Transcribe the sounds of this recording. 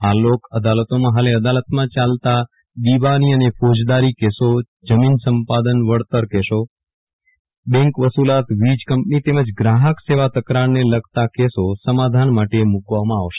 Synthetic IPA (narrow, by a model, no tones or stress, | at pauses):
alokəd̪alət̪omãɦaleəd̪alət̪mãt͡ʃalt̪a | d̪iʋaniənefod͡ʒd̪aɾikeso | d͡ʒəminsəmpad̪ənʋəɽt̪əɾkɛʃo | bɛ̃ŋkʋəsulat̪ʋid͡ʒkəmpnit̪eməd͡ʒɡɾaɦəkseʋat̪əkɾaɾneləɡʱt̪akesosəmad̪ʱanmaʈemukʋamãaʋʃe̥